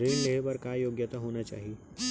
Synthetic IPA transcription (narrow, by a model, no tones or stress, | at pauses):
ɾeːnleɦebɐɾkajoːɡjət̪aɦoːnat͡ʃa̰ːɦie